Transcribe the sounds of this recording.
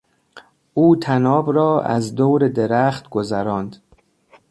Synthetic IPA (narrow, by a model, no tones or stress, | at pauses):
ʔuːt̪ʰænɒːbɾɒːʔæ̰zd̪oːwɾed̪eɾæχt̪ɡ̥ozæɾɒːnd̪